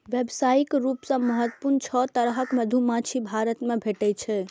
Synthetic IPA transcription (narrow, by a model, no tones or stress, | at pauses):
ʋjebsaikɾupsə̃məɦət̪ːpuɾnt͡ʃʰɔt̪əɾɦəkməd̪ʱumãt͡ʃʰibʱaɾət̪mebʱeʈɛt͡ʃʰɛ